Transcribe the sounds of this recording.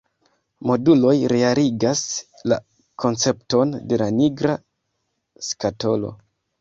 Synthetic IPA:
mo̞dulo̞jɾe̞aliɡas | la̰ | kʰo̞nt͡se̞pto̞nde̞laniɡɾa | skato̞lo̞̰

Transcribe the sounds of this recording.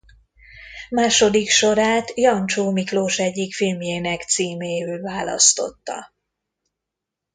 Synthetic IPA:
maːʃo̞d̪ikʃo̞ɾaːt̪jɒnt͡ʃoːmikloːʃɛɟːikfilmjeːnɛkt̪siːmeːøːlvaːlɒ̰st̪o̞̰t̪ːɒ̰

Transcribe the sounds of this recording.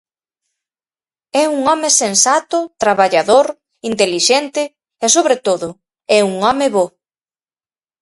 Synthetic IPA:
ɛuŋɔmesensat̪ʊt̪ɾaβaʎaðoɾ | int̪eliʃɛnt̪ɪ | esoβɾet̪oðʊ | ɛuŋɔmeβo

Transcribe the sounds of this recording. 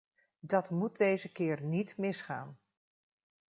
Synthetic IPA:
dɑtmut̚dejzəkɪːɹnitmɪsχa̰ːn

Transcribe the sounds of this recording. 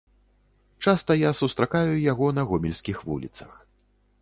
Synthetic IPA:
t͡ʂast̪ɐjasust̪ɾakajujaɣɔnɐɣɔmʲilʲsʲkʲixvṵlʲḭt̪sɐx

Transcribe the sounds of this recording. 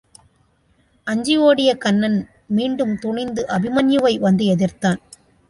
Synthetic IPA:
ʔɐɲd͡ʒɪjoːɽɪjɐkɐnːɐn | miːɳɖɯmt̪ʊɳɪnd̪ɯʔɐbɪmɐnjɯʋɐɪʋɐnd̪ɯɛðɪrt̪aːn

